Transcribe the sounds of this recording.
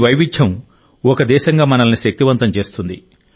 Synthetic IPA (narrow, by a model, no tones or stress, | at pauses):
ʋɐjʋit͡ʃʰːɐm | ɔkɐd̪ɛːʃɐŋɡaːmɐnɐlɐniʃɐk̚t̪iʋɐnt̪ɐmt͡ʃe̞ːst̪und̪i